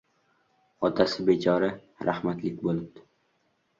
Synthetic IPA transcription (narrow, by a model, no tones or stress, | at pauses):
ɒt̪ʰasɪbet͡ʃʰɒɾa | ɾʔahmat̪lɪkʲbolˠɪb̚d̪ɪ